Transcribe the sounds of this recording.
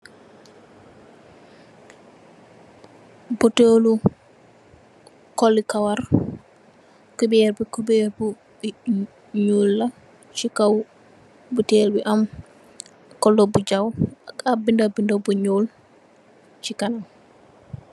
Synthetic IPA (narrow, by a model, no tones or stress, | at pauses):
bɔtolu | kɔlːikawaɾ | kubɛɾbikubɛɾbu | ɲoːlːa | t͡ʃikaw | butɛːlbiʔam | kɔlːɔbud͡ʒawakabindabindabuɲoːl | t͡ʃikanam